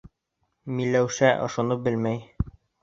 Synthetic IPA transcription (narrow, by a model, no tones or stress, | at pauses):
milːæwʃæʔŏʃŏnɤp̚bɘlmæj